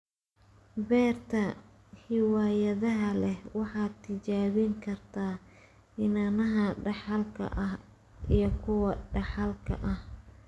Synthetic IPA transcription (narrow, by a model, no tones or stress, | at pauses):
bɛːrt̪ʰɐ | hɪwaːjɐðɐɦɐlɛhwɑħɑːt̪ʰɪt͡ʃaːβɪŋkʰɐrt̪ʰaː | ɪnanɐɦɐɖɑħɑlkʰɐ̰ʔɐh | ʔijɞkʰʊwɐɖɑħɑlkʰɐ̰ʔɐh